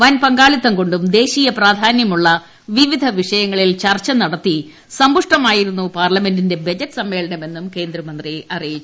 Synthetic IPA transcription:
ʋɐnpɐŋɡaːɭit̪ːɐŋko̞ɳɖumd̪e̞ːɕiːjɐpraːd̪ʱaːnjɐmuɭːɐ | ʋiʋid̪ʱɐʋiʂɐjɐŋːɐɭilt͡ɕɐrt͡ɕːɐnɐɽɐt̪ːi | sɐmbuʂʈɐmaːjiɾunːupaːrlɐme̞ndinde̞bɐd͡ʑɐʈːɨsɐmːe̞ːɭɐɳɐme̞nːumke̞ːnd̪ɾɐmɐnd̪riɐrijit͡ɕː

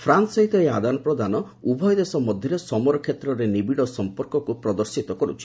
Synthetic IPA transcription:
pʰɾansɔɦit̪ɔead̪anɔpɾɔd̪anɔ | ubʱɔjɔd̪esɔmɔd̪ʱjɔɾesɔmɔɾɔkʰjet̪ɾɔɾenibiɽɔsɔmpɔɾkɔkupɾɔd̪ɔɾsit̪ɔkɔɾut͡ʃʰi̥

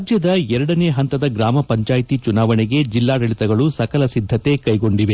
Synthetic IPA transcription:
d͡ʒjɐd̪ɐɛɾɐɽɐneːɦɐnt̪ɐd̪ɐɡɾaːmɐpɐɲt͡ʃaːjt̪it͡ʃunaːʋɐneɡe̞d͡ʒilːaːɾɐɭit̪ɐɡɐɭusɐkɐlɐsid̪ʱːɐt̪e̞kɐjɡo̞ɳɖiʋe

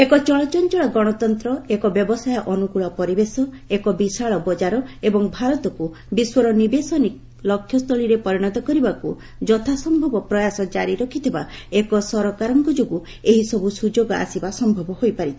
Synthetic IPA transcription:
ekɔt͡ʃɔɭɔt͡ʃɔnt͡ʃɔɭɔɡɔɽ̃ɔt̪ɔnt̪ɾɔekɔbjɔbɔsajɔʔɔnukuɭɔpɔɾibesɔ | ekɔbisaɭɔbɔd͡ʒaɾɔebɔŋbʱaɾɔt̪ɔku | biswɔɾɔnibesɔnik | lɔkʰːjɔst̪ʰɔɭiɾepɔɾiɽ̃ɔt̪ɔkɔɾibaku | d͡ʒɔt̪ʰasɔmbʱɔbɔpɾɔjasɔd͡ʒaɾiɾɔkʰit̪ʰebaekɔsɔɾɔkaɾɔŋkɔd͡ʒoɡu | eɦisɔbusud͡ʒoɡɔa̰sibasɔmbʱɔbɔhojpaɾit̪ʰ

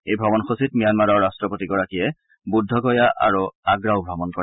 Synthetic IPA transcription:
ejbʱɹɔmɔnxositmijanmaɹɔɹɹastɹɔpotiɡɔɹakiɛ | budʱːɔɡɔjaʔa̰ɹuaɡɹaʊbʱɹɔmɔnkɔɛ

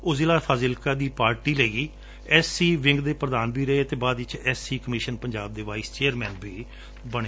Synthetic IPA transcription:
ʊzɪlaːpʰaːzɪlkaːd̪iːpaːɾʈiːleːɡiː | ɛːsiːʋɪ̃ŋɡd̪eːpɾəd̪aːnbʱiːɾəeət̪eːbaːd̪ʋɪt͡ʃɛːsiːkəmiːʃənpəɲd͡ʒaːb̚d̪eːʋaːist͡ʃeːəɾmɛ̃ːnbʱiː | bəɽeː

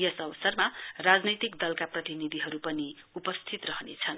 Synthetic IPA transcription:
jʌsʌbʌsʌrmarad͡znit̪ikd̪ʌlkaprʌt̪inid̪ʱiɦʌɾupʌni | upʌst̪ʰit̪rʌɦʌnet͡sʰʌn

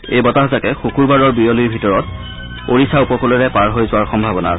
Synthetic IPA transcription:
ejbɔtaɦzakɛxukuɹbaɹɔɹbijolujbʱitɔɹɔt̚ | oɹisaupɔkɔlɔɹɛpaɹɦojzʊwaɹxɔmbʱabɔna̰ɹ

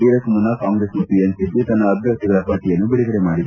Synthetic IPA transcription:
iːɾɐsmunːɐkaːŋɡɾesnupiensikːit̪ɐnːɐːb̪ʱjɐk̚t̪iɡɐɭɐpaːɾʈijɐnːubiɭiɡɐɽemaːɽid̪

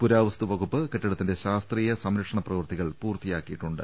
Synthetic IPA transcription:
puɾaːʋɐst̪uʋɐɣupːɨkeʈːɐɽɐt̪ːinde̞ɕaːst̪riːjɐsɐmɾɐkʂɐɳɐprɐʋɨrt̪iɣɐɭpuːrt̪ijaːkːijiʈːuɳɖɨ

